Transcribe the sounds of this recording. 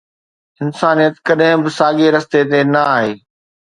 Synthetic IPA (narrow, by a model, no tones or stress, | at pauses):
ɪnsaːnijət̪kɐɗɦɪ̃bɪsaːɠeɾɐst̪et̪enɐaːɦeː